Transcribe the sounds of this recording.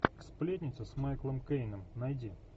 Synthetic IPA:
splʲet̪ʲnʲɪt̪sʊsmajklˠəmkejnəmnɐjdʲi

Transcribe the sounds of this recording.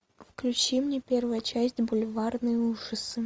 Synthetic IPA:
fklʲʉt͡ɕimnʲepʲervʊjət͡ɕæsʲtʲbʊlʲvarnɨjuʐɨsɨ

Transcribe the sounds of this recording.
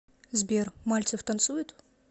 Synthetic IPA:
zbʲermalʲt̪sɨft̪ɐnt̪sujɪt̪

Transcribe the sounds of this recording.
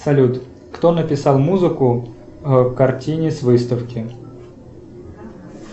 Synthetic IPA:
sɐlʲut̪ | kt̪onəpʲɪsɑlˠmuzɨkʊ | kɐrtʲinʲɪsvɨst̪əfkʲɪ

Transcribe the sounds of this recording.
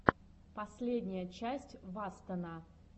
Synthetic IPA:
pɐsʲlʲedʲnʲɪjət͡ɕæsʲtʲvast̪əna

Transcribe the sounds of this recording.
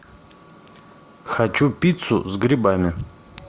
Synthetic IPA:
xɐt͡ɕupʲit̪sʊ̰zɡɾʲɪbamʲɪ

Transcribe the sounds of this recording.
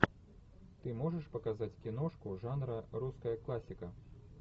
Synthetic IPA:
t̪ɨmɔʐɐʂpɐkazat͡sʲkʲinɔʂkuʐanɾɐɾuskɐjɐklˠasʲikɐ

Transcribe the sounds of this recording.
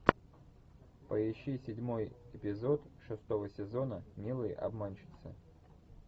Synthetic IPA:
pəjɪɕːisʲɪdʲmojɪpʲɪzo̞t̪ʂɨst̪o̞vəsʲɪzo̞nəmʲilˠɨjʔɐ̰bmanʲt͡ɕɪ̥t̪sə

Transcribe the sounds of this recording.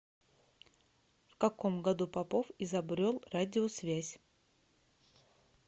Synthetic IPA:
fkɐkomɡɐd̪upɐpofɪzɐbɾʲolˠradʲɪosvʲæzʲ

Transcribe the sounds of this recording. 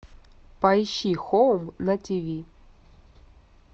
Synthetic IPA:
pɐjɕixowmnɐtʲivʲi

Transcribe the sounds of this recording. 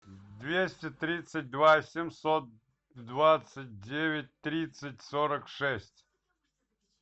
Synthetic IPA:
d̪vʲesʲtʲɪt̪ɾʲit̪sɨt̚ʲd̪vasʲɪmsot̪̚ | d̪vat̪sɨt̚ʲdʲevʲɪt̚ʲt̪ɾʲit̪sɨtʲsoɾəkʂɛsʲtʲ

